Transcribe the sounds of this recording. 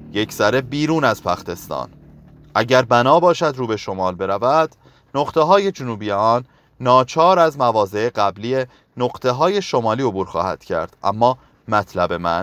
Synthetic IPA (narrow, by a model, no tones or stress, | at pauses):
je̞cʰz̥æɾe̞biːɾuːnæzpʰæxt̪e̞st̪ɒ̰ːn | ʔæɟæɾbænɒːbɒːʃæd̪ɾuːbe̞ʃo̞mɒːlbe̞ɾævæd̪̥ | noʁt̪ʰe̞ɦɒːje̞d͡ʒonuːbijeɒːnː | ɒːt͡ʃʰɒːɾæzmævɒːze̞eɢæblije̞ | noɢt̪ʰe̞ɦɒːje̞ʃo̞mɒːliːo̞buːɾxɒ̰ːhæ̰d̪̥cʰæ̰ɾd̪̥ʔæ̰mːɒː | mæt̪ʰlæbe̞mæn